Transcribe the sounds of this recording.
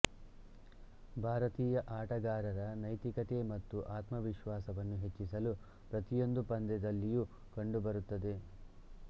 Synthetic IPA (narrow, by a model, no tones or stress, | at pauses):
bʱaːɾɐt̪iːjɐʔaːʈɐɡaːɾɐɾɐnɐjt̪ikɐt̪e̞mɐt̪ːuʔaːt̪mɐʋiʃʋaːsɐʋɐnːuɦe̞t͡ʃːisɐlu | pɾɐt̪ijo̞nd̪upɐnd̪ɛd̪ɐlːiju | kɐɳɖubɐɾut̪ːɐd̪e̞